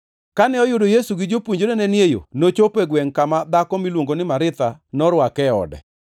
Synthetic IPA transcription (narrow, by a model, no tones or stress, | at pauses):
kanɛɔjʊdojesuɡɪd͡ʒopuɲd͡ʒodenɛnjejo̰not͡ʃopɛɡwɛŋkamad̪akɔmilwoŋɡonɪmaɾɪt̪anɔɾwakɛɔ̰dɛ̰